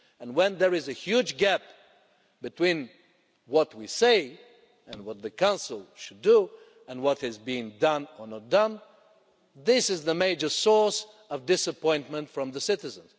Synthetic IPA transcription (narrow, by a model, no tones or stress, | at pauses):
ɨ̃nwɛ̃nðə˞ɨzɨhjud͡ʒɡæp̚ | bɨtʰw̥ĩn | wʌt̚wiseɪ | ɨ̃nwʌt̪̚ðɨkʰãʊ̃nsl̩ˠʃɨdu | ɨ̃nwʌt̚hɨzbĩŋdʌ̃nə˞nət̚d̥ʌ̃n | ðɪsɨzðəmeɪd͡ʒə˞sɔɹs | ʌvdɪsəpɔ̃ɪ̃ntmə̃ntfɹʌ̃mðəsɪɾɨzə̃nz̥